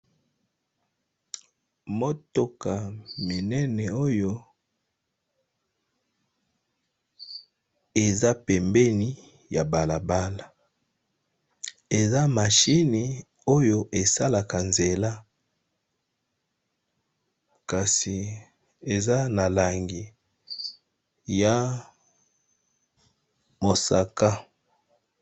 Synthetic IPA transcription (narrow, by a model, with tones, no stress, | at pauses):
mo˦to˦ka˨mi˨nɛ˦nɛ˨o˦jo˦ | e˨za˦pɛ˨mbɛ˦ni˦ | ja˨ba˨la˨ba˦la˨ | e˨za˦ma˨ʃi˦ni˨ | o˦jo˦ʔe˨sa˦la˨ka˨nze˨la˦ | ka˨si˨ | e˨za˦na˨la˨ŋɡi˨ | ja˨ | mo˨sa˨ka˦